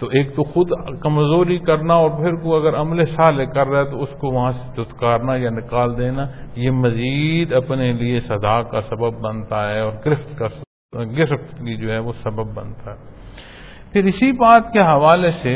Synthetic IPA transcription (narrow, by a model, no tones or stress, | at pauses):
t̪oːeːk̚t̪oxʊd̪kɐmzoːɾikɐɾnaɔːɾpʰɪɾkoɐɡəɾɐmlesaːlekɐɾːaɦɛt̪oʊskoʋɐɦãse̥d͡ʒʊt̪kaːɾnajanɪkaːld̪eːnajemɐziːd̪ɐpneliesɐd̪aːkasɐbəbːɐnt̪aɦɛːɔːɾɡɾɪft̪ka | ɡɪfft̪kid͡ʒoːɦɛʋosɐbəbːɐ̰nt̪aɦɛː | pʰɪɾɪsibaːt̪keɦɐʋaːlese